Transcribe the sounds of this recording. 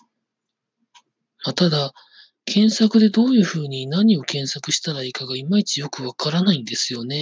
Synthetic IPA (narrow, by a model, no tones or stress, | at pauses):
mat̪ad̪a | kʰẽ̞ɰ̃sakɯ̟d̪e̞d̪o̞ːjɯ̟ːɸɯ̟ːɲ̟inaɲ̟io̞kẽ̞ɰ̃sakɯ̟ɕi̥t̪aɾaikaɡaimait͡ɕijo̞kɯ̟βakaɾanaĩnd̪e̞sɨjo̞ne̞